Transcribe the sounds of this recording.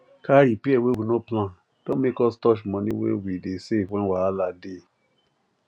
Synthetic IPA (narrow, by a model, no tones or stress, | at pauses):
kaɾipiɛwewinõplã | d̥õmekɔstɔʃmɔ̃nĩwḛwidesefwɛ̃waalade